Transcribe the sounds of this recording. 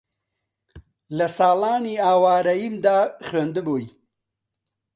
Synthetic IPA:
lɐsaːlaːniaːwaːɾɐimd̪aːxɾend̪əboːji

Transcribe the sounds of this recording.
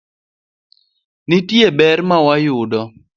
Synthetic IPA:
nɪtjebɛrmawajʊdɔ

